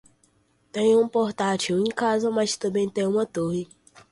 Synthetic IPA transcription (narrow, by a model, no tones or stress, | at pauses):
t̪ẽj̃ũpoɾt̪at͡ʃiwẽkazɐmast̪ɐ̃bẽj̃t̪ẽj̃ũmɐt̪oɦi